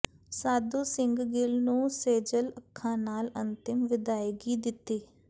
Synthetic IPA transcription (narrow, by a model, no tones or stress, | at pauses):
saːd̪uːsɪŋɡɡɪlnũːseːd͡ʒələkʰːãːnaːlənt̪ɪmʋɪd̪aːjɡiːd̪ɪt̪ːeː